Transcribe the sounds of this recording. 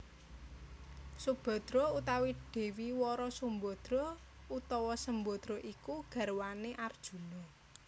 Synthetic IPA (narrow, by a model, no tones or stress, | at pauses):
sub̥ɔ̤d̪̥ɾɔut̪awiɖ̥e̤wiwɔɾɔsumbɔd̪̥ɾɔ | ut̪ɔwɔsəmbɔd̪̥ɾɔʔikuɡ̥ä̤ɾwaneʔard̥ʒ̥ṳnɔ